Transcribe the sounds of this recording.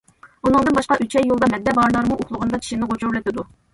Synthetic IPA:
unɨŋd̪ɨnbɑʃqɑʔyt͡ʃʰɛjːolˠd̪ɑmɛd̪ːɛbɑɾlˠɑɾmuʔoχlˠʊʁənd̪ɑt͡ʃ̪ʰi̥ʃinɪʁot͡ʃʰuɾlɪt̪ɪd̪u

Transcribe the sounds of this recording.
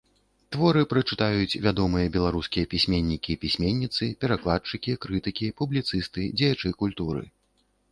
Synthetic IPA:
t̪vɔɾɨpɾɐt͡ʂɨt̪ajut͡sʲvʲad̪ɔmɨjɐbʲɛlˠaɾuskʲijɐpʲisʲmʲenʲːikʲipʲisʲmʲenʲːit̪sɨpʲɛɾaklˠat̪t͡ʂɨkʲikɾɨt̪ɨkʲipublʲit̪sɨst̪ɨd͡zʲɛjat͡ʂɨkulʲt̪uɾɨ̰

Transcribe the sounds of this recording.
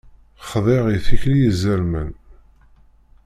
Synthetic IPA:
χðˤeʁiθiçlijəzəlmən

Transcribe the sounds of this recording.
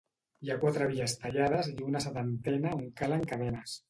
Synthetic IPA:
jakwat̪ɾəβiʎast̪aʎaðəziunaset̪ant̪ɛnauŋkalaeŋkaðɛnas

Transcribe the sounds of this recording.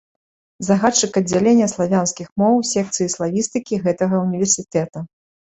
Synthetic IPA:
zaɣat͡ʂɨkɐd͡zʲːalʲenʲːɐslˠavʲanskʲixmɔwsʲɛk̚t̪sɨjislˠavʲist̪ɨkʲiɣɛt̪ɐɣɐunʲivʲɛrsʲit̪ɛt̪ɐ

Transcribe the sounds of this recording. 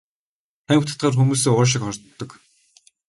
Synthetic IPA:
t̪æŋʲʊt̪ḁ̆t̪̚ɢaːrxumuːs̬eːʊːʃ̬ɪ̆kχɔrʲt̪ːɞ̆k

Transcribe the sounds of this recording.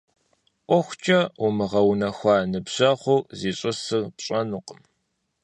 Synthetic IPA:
ʔʷɔxʷt͡ʃʼɐʊmɨʁɐwnɐxʷɑːnɨbɕɐχʷʊziːɕʼɨsɨrpɕʼɐnuqəm

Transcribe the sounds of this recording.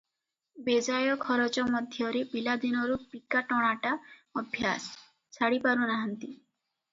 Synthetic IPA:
bed͡ʒajɔkʰɔɾɔt͡ʃɔmɔd̪ʱjɔɾebilad̪inɔɾupikaʈɔɽ̃aʈaɔbʱjas | t͡ʃʰaɽipaɾunaɦɔnt̪i

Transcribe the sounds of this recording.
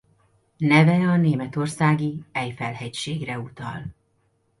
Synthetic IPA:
nɛvɛɒneːmɛt̪o̞rsaːɡiɛjfɛlɦɛcʃeːɡrɛut̪ɒ̰l

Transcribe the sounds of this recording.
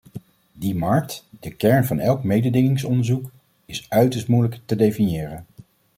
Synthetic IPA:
dimɑɹk̚td̥əkɛɹnvɑnɛlˠkmejdədɪŋɪŋsɔndəɹzuk | ɪsœɥtəɹstmujləktədejfinjɪːrən

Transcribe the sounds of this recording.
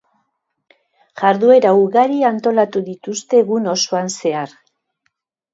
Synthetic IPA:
ʝaɾðue̞ɾauɣaɾiant̪o̞lat̪uðit̪ust̪e̞ɣuno̞soanse̞aɾ

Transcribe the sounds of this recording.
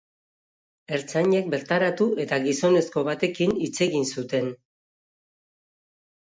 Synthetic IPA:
e̞ɾt͡saɲe̞k̚be̞ɾt̪aɾat̪uʔe̞t̪aɣiso̞ne̞sko̞βat̪e̞kinit͡se̞ɣinsut̪e̞n

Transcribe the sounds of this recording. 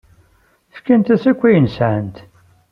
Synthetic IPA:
θkːænt̪æθækʷːijənsʕənt̪

